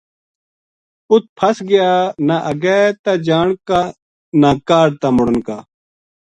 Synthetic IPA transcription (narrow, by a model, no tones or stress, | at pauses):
ʊt̪̚pʰɐsɡɪjaːnaʔɐɡɛːt̪ad͡ʑaːɳka | naːkaːɽt̪amʊɽənkaː